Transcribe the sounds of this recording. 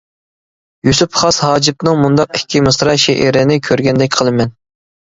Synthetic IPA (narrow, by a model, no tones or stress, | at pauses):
jysypχɑshɑːd͡ʒip̚nɨŋmund̪ɑqɪkʲʰːimɨsɾɑʃɛʔiɾɪnɪkʲʰøɾɡʲɛnd̪ɛk̚ʲqʰəlˠɨmɛn